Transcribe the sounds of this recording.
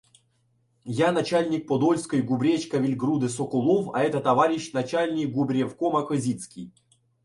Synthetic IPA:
janɐt͡ɕalʲnʲɪk̚pod̪olʲskəjɡʊbɾʲet͡ɕkəvʲɪlʲɡɾud̪ɨsokʊlˠofɐ̰ɛt̪ət̪ɐvaɾʲɪɕnɐt͡ɕalʲnʲɪkɡʊbɾʲefkomɐkɨzʲit̪skʲij

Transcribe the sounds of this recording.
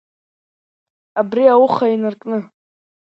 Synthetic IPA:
abriawuχainɨrkʼnɨ

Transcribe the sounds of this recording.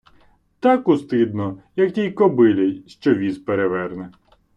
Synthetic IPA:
t̪ɑkust̪ɪd̪nɔjɐktʲijkɔbɪlʲejʃt͡ʃɔʋʲizpeɾeʋɛrnɛ

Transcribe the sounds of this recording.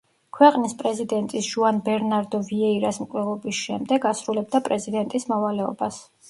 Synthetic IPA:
kʰwɛqʼnispʼɾɛzid̪ɛnt̪ʼisʒ̥uanbɛɾnaɾd̪ɔviɛiɾasmkʼwlɛʁɔbisʃɛmd̪ɛɡasɾulɛb̚d̪apʼɾɛzid̪ɛnt̪ʼismɔvalɛɔ̰bas

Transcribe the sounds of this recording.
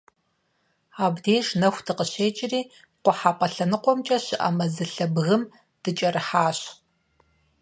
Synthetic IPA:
aːbdeːʒnɐxʷdʰɨqəɕeːt͡ʃʼɪriː | qʷɔħaːpʼɐɬɐnɨqʷɔmt͡ʃʼɐɕɪʔa̰mɐzɨɬɐbɣɨm | d̥ɨt͡ʃʼɐrɨħaːɕ

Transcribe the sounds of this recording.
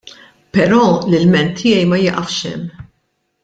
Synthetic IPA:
pɛɾɔːlɪlmɛnt̪ʰːɪːjɛjmɐjɛʔɐfʃɛ̰mː

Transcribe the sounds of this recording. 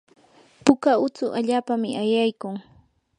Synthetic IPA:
pʊkaʊt͡sʊʔaʎaːpamɪʔajajkʊŋ

